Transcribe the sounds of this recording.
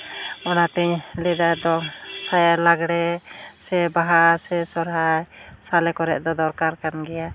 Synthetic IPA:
ɔnat̪ɛɲlɛd̪ajd̪ɔsajalaɡɽɛsɛbaɦasɛsɔɾɦajsalɛkɔɾɛʔ̚d̪ɔd̪ɔɾkaɾkanɡɛja

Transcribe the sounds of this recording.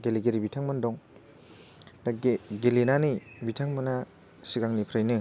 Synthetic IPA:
ɡeliɡeɾibitʰaŋmɐndɔŋ | ɡelinanibitʰaŋmɯna | siɡaŋnipʰɾajnɯ

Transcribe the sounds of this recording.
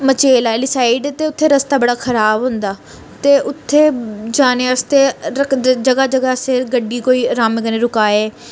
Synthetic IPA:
mət͡ʃeːlaːɛlɪsaːɪɖt̪eːʊt̪ʰːeːɾəst̪aːbəɽaːkʰəɾaːbɦʊ̃ːnd̪aː | t̪eːʔʊt̪ʰːeːd͡ʒaːnẽːəst̪eːɾəkd͡ʒəɡaːd͡ʒəɡaːseɾɡəɖiːkoːiːɾaːmeɡənẽːɾʊkaːeː

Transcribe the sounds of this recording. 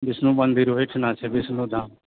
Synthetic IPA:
bɪsnũːbə̃nd̪iːɾoːeʈʰnãːt͡ʃʰebɪsnũːd̪ãː

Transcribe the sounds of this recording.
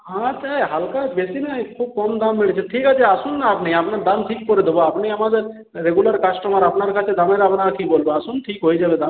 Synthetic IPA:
ɦãt͡ʃajɦalkabesinakʰub̚kɔmd̪ammiɽt͡ʃʰeʈʰikɦat͡ʃʰeasunːaapneapnaɾd̪anʈʰik̚pɔɾed̪eboapneamad̪eɾ | ɾeɡulaɾkasʈɔmaɾapnaɾkʰat͡ʃʰed̪amãɾapnakibolboasunʈʰikɦojd͡ʒabed̪a

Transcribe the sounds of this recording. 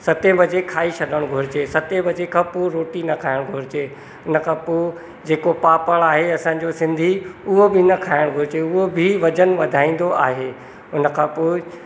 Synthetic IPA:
sɐt̪ẽbʱɐd͡ʑekʰaːisʰɐɗəɽ̃ɡʱʊɾɪt͡ɕesɐt̪ebʱɐd͡ʑekʰãːpoɾoːʈinɐkʰaːɪɽ̃ɡʱʊɾɪt͡ɕeː | ʊnə̆kʰãːpo | d͡ʑeːkopaːpəɽ̃aːɦeɐsãɲ̆d͡ʑosɪ̃nd̪ʱiʊɦobʱɪnɐkʰaːɪɽ̃ɡʱʊɾɪt͡ɕeʊɦobʱɪʋɐd͡ʑənʋɐd̪ʱaːĩːn̆d̪oʔaːɦeː | ʊnə̆kʰãːpoːɪ

